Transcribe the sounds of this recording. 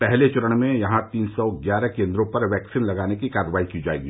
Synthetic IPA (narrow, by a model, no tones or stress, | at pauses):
pɛɦlet͡ʃʊɾəɽ̃mẽjɐɦãt̪iːnsɔːɡjaːɾɛkẽːnd̪ɾõpɐɾʋɛːksiːnlɐɡaːnekikaːɾəʋaːikid͡ʒaːḛːɡi